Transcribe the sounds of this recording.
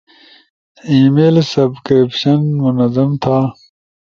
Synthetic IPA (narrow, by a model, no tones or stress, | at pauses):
iːmeːlsɐbkɾipɕɐnmunɐzɐmt̪ʰaː